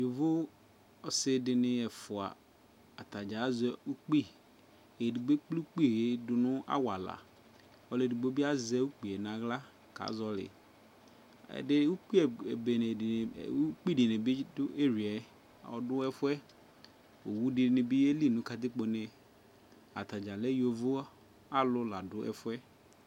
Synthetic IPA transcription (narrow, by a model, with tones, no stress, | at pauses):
dɪ˨vʊ˦ | ɔ˨sɪ˦dɪ˨nɪ̃˦ɛ˨fʊ˨a̰˨ | a˨tʰa˨d͡ʒa˨˦zɛ˦u˦k͡pi˦ | e˨di˨ɡ͡be˦k͡pli˦k͡pi˦˨e˦dʊ˨nʊ̃˦a̰˦wa˨la̰˨ | ɔ˨lɪ˨di˨ɡ͡bo˦bi˦a˦zɛ˦u˦k͡pi˨ɛ˨nã˨ɣla˦ | ka̰˨˦zɔ˦lɪ̰˨ | dɪ˦wu˦k͡pi˦˨be˨n˨u˦k͡pi˦˨di˨ne˨bi˦dʊ˦e˦ɾi˨ɛ˨˦˨ | ɔ̰˨dʊ˦ɛ˦fʊ˦ɛ˦ | o˨wu˦dɪ˨nɪ˨bi˦e˦li˦˨nʊ̃˦ka˨d̪ɪ˦k͡po˨ne˨ | a̰˨t̪a˨d͡ʒa˨le˦jo˨vʊ˦ | a˦lʊ˦la˨dʊ˦ɛ̰˨fʊ˦ɛ˦